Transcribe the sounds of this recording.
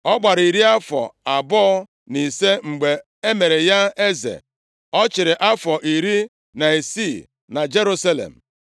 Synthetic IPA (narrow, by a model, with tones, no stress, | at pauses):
ɔ˦ɡ͡ba˨ɾi˨ɾi˦a˦fɔ̰˨a˨bɔ˦ | ni˨se˦ŋ͡m̩˨ɡ͡be˨ | e˦me˨ɾe˨ja˦e˦zḛ˨ | ɔ˦t͡ʃɪ˨ɾɪ˨ʔa˦fɔ˨ʔi˨ɾi˦ | na˨e˨si˦˨ | na˨d͡ʒe˦ɾu˦sa˦lḛ˨m̩˨